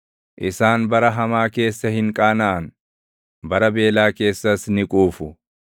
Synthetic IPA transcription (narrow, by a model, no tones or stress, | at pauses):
ʔɪsaːnbɐɾɐɦɐmaːke̞ːsːɐhɪŋkʼaːnɐʔɐn | bɐɾɐbe̞ːlaːke̞ːsːɐsnɪkʼuːfʊ